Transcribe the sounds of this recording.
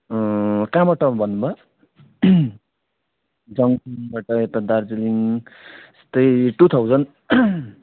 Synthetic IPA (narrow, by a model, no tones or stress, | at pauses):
kãmʌʈʌbʱʌnbʌ | d͡zʌŋiŋbaʈʌet̪ad̪ard͡ziliŋ | est̪ʌjʈut̪ʰawd͡zʌn